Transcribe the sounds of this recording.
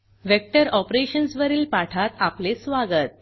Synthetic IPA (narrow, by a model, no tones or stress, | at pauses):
ʋek̚ʈəɾɔpɾeɕənsʋəɾiːlpaʈʰat̪aplesʋaɡət̪̚